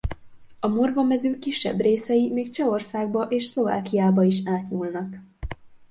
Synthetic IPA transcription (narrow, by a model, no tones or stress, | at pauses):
ɒmorvɒmɛzøːkːiʃːɛ̰breːsɛjimeːkt͡ʃɛo̞rsaːɡ̚bɒʔeːʃslo̞va̰ːkijaːbɒiʃaːt̪ɲulnɒk